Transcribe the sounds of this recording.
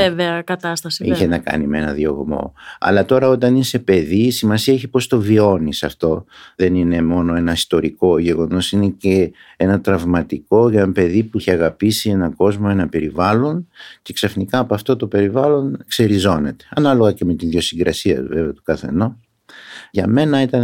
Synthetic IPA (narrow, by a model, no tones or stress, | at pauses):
eveɐkɐt̪ɐst̪ɐsiiçenɐkɐ̰nimee̞nɐ̰ðjo̞ɣmo̞̰ɐ̰lɐt̪o̞ɾɐo̞t̪ɐnise̞pe̞ðiːsimɐsiɐeçipo̞st̪o̞vio̞nisɐft̪o̞ðe̞nine̞mo̞no̞e̞nɐist̪o̞ɾiko̞ʝe̞ɣo̞no̞sine̞ce̞enɐt̪ɾɐvmɐt̪iko̞enɐpe̞ðipuiçeɐɣɐpisie̞nɐko̞zmo̞e̞nɐpe̞ɾivɐlo̞nce̞ksɐfnikɐːpoɐft̪o̞t̪o̞pe̞ɾivɐlo̞nkse̞ɾizo̞ne̞t̪e̞̥ɐnɐlo̞ɣɐce̞me̞t̪iðjo̞siŋɡɾɐsiɐ̰ve̞veɐt̪u̥kɐθe̞̰no | ʝɐme̞nɐit̪ɐn